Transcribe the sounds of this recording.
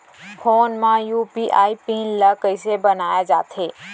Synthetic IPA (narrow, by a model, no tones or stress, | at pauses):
fʰoːnmãjuːpiʔaːipĩːnləkəɪsebɐnaːjad͡ʒaːt̪ʰeː